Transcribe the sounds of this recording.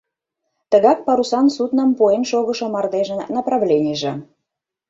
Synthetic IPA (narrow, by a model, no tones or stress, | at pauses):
t̪əɣɑk̚pɑɾusɑnsut̪nə̆mpuenʃoɣə̆ʃŏmɑrd̪eʒə̆nɑprɑvlʲenʲiʒĕ